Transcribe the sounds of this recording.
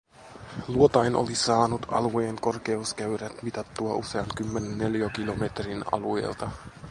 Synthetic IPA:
luot̪ɑjnʔo̰lisɑːnut̪ɑ̰lue̞ːŋko̞rk̟e̞uskæyɾæt̪mit̪ɑt̪ːuɑʔuse̞ɑŋkymːe̞nenːe̞ljokilo̞me̞t̪rinɑ̰luḛːlt̪ɑ

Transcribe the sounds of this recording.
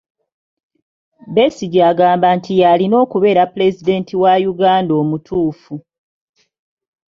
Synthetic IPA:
besiɟaɡaːmbaːntʰijalino̞ːkuβe̞ːɾapule̞zide̞ːntiwajuɡaːndo̞ːmutʰuːfu

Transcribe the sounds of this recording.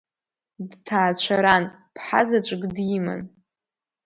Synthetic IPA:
dtʰaːt͡ɕʷʰaɾan | pʰħa̰zat͡ʃʷʼɡdima̰n

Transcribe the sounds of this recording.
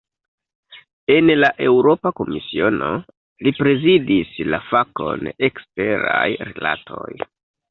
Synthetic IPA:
e̞nlaʔe̞wɾo̞pako̞misio̞no̞̰ | lipɾe̞zidislafako̰ne̞kste̞ɾajɾḭla̰tʰo̞̰j

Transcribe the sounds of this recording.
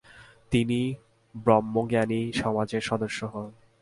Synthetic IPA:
t̪ini | bɾɔmːoɡeaniʃɔmad͡ʑeɾʃɔd̪oʃːoɦɔn

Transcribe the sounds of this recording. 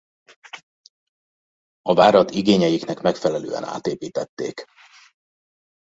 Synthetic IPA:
ɒvaːɾɒt̪iɡeːɲɛjiknɛkmɛkfɛlɛlø̰ːɛ̰na̰ːt̪eːpiːt̪ɛt̪ːeːk

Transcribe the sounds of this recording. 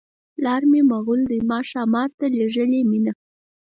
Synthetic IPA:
lɑɾmemaɣuld̪əjmɑʃɑmɑɾt̪aleʒəlemina

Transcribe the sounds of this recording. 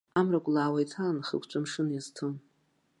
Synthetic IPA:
amrakʷʼlaːwajtʰanχə̰kʷt͡ʃʷʼamʂɨnjaztʰɨm

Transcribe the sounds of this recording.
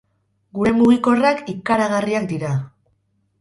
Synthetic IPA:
ɡuɾe̞muɣiko̞rakikaɾaɣariak̚d̪iɾa

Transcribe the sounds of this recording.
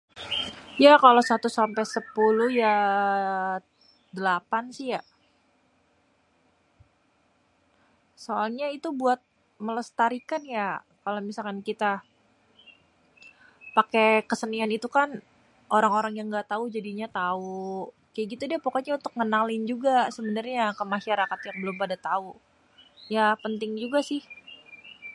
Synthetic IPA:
jakalosat̪usampɛsəpuluhja | dəlapansɪja | soalɲait̪ubuat̪̚ | mələst̪aɾikanja | kalomisalkankit̪a | pakekəsənianit̪ukan | ʔoɾaŋoɾaŋjaŋɡat̪aud͡ʒadiɲat̪au | kajaɡit̪udiapokoɲaunt̪ʊk̚ŋənalɪnd͡ʒuɡasəbənarɲakəmaʃaɾakat̪jaŋbəlʊmpadat̪au | japənt̪ɪŋd͡ʒuɡasɪh

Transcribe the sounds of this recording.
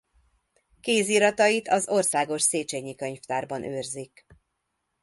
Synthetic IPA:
keːziːɾɒt̪ɒjit̪ɒzo̞rsaːɡo̞ʃseːt͡ʃeɲːikøɲft̪aːrbɒnʔøːrzik

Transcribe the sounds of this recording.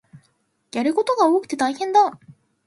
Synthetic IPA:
jaɾɯ̟ko̞t̪o̞ɡao̞ːkɯ̟̥t̪e̞t̪aihẽ̞nd̪a

